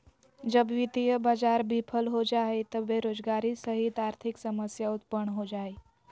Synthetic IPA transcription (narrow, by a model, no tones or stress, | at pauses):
d͡ʒəbʋit̪ijəbad͡zaɾbʱipʰəlɦod͡ʒaɦet̪əbeɾod͡zɡaɾisəɦit̪aɾt̪ʰiksəməsjaut̪̚pəɳɦod͡ʒae